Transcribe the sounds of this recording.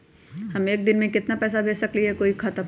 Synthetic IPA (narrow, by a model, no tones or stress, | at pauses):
hɐmeːk̚d̪ɪnmẽkɪt̪napɛːs̬abʱeːsɐkliɛkoːikʰɐt̪ə